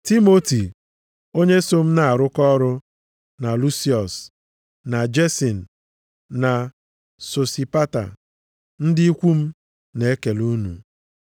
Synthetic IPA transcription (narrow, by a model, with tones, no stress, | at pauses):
ti˦mo˦ti˨ | o˦ɲe˦so˦m̩˦na˦˨a˨ɾʊ˦kɔ˦ɾʊ˦ | na˨lu˦si˦ɔ˨s | na˨d͡ʒe˦si˨n̩˨ | na˨ | so˨si˨pa˦ta̰˨ | n̩˦dɪ˦i˦kʷu˦m̩˦ | ne˨e˦ke˨lu˦nṵ˨